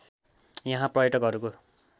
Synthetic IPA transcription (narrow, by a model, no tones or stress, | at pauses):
jʌɦãprʌjʌʈʌkʌɾuko